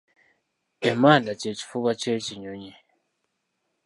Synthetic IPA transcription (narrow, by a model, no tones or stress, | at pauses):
temadat͡ʃet͡ʃi̥fuβat͡ʃet͡ʃiɲoɲe